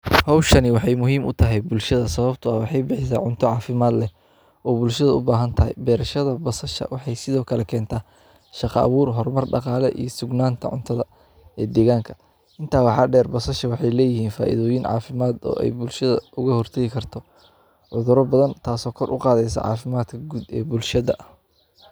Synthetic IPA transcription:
hɔwʃɐnɪwɑħɑjmʊɦiːmʔʊt̪ʰɐɦɛjbʊlʃɐðɐsɐβɐbt̪ʰʊɐwɑħɑjbɪħɪs̬aːʕʊnt̪ʰɔʕɑːfɪmaːd̪lɛ | ɔːbʊlʃɐðɐʊbaːɦɐnt̪ʰɐɦɛ̰jbɛːɾɐʃɐðɐbɔsɐʃɐ̰wɑħɑjsɪðɔːkʰɐlɛkʰɛːnt̪ʰaː | ʃɑqɑ̰ɐ̰βuːrɦɔrmɐrɖɑ̰qɑːlɛʔḭjɔsʊɡnaːnt̪ʰɐʕʊ̰nt̪ʰɐðɐ | ɛːd̪ɛːɣaːŋkʰɐ̥ | ʔɪnt̪ʰaːwɑħɑːɖɛːrbɔsɐʃɐwɑħɑjlɛːjɪhiːnfa̰ːʔɪ̰ðɔːjɪnʕɑ̰ːfɪmaːd̪ɔ̰ːʔɛ̰jbʊlʃɐðɐ̰ʔʊɣɐhɔrt̪ʰɛːɣɪkʰɐrt̪ʰɔ | ʕʊðʊɾɔbɐðɐnt̪ʰaːsɔːkʰɔrʔʊ̰qɑːðɛjsɐ̰ʕɑ̰ːfɪmaːd̪kʰɐɡud̪ɛ̰ːbʊlʃɐðɐʔ

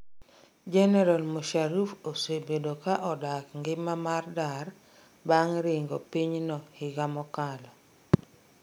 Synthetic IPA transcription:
d͡ʒɛnɛɾalmoʃaɾufoswebedokaʔɔdakŋɡɪmamardar | baŋɾɪŋɡopiɲnɔhɪɡamɔkalɔ

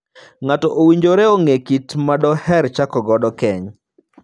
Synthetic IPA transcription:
ŋatɔʔowiɲd͡ʒoɾɛoŋekitmadɔhɛɾt͡ʃakɔɡɔdɔkɛɲ

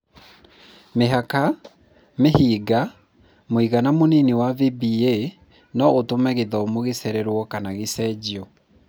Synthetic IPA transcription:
meɦaka | mehiːɡa | moiɣanamoniniwavibie | nɔʔotomɛɣeðɔmoɣeseɾɛɾwɔkanaɣesɛd͡ʑiɔ

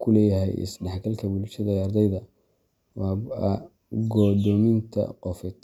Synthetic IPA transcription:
kʰʊlɛːjɐɦɛ̰jɪ̰sɖɛħɡɐlkʰɐbʊlʃɐðɐɐrd̪ɛjðɐ | wɑ | ɡɔːd̪ɔmɪnt̪ʰɐ̰qɔfɛt̪

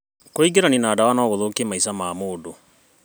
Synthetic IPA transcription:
koiɡeɾaninaːdawanɔːɣoðokemaisamaːmoːdo

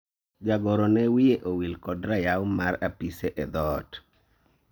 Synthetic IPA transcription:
d͡ʒaɡɔɾɔnɛwijeʔowilkɔdɾajawmaɾapisɛʔɛd̪ɔt

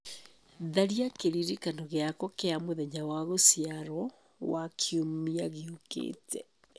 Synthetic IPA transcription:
ðaɾiakeɾiɾikanɔɣeakɔkeamoðɛɲawaɣosiaɾɔ | wakʰiomiaɣeokḛːtʰɛ

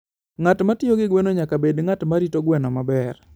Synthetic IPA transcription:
ŋatmatɪoɡɪɡwɛnoɲakabedŋatmaɾitoɡwɛnɔmabɛr

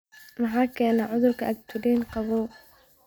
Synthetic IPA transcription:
mɑħaːkʰɛːnaʕʊðʊrkʰɐʔɐɡt̪ʰʊliːnqɑβuː

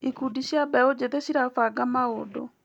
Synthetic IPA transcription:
ikudiɕjabɛod͡ʒeðeɕiɾafaɡamaodɔ̰

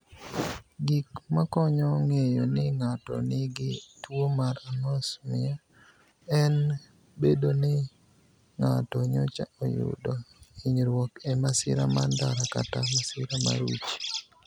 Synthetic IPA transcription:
ɡikmakɔɲɔŋejɔnɪŋatɔ̰nɪɡɪtwomaɾamɔsmɪ̰ja | ɛn | bedonɪ | ŋatɔɲɔt͡ʃaɔjʊ̰dɔiɲɾwɔkɛmasɪ̰ɾa̰mandaɾakatamasɪɾama̰ɾut͡ʃi̥

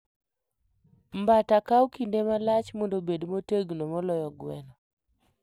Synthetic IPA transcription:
mbatakawkindemalat͡ʃmondobedmoteɡnomɔlɔjɔɡwɛnɔ

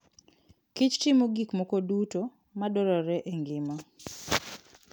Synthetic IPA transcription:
kit͡ʃtimoɡikmɔkoduto | madɔɾɔɾɛʔeŋɡɪma

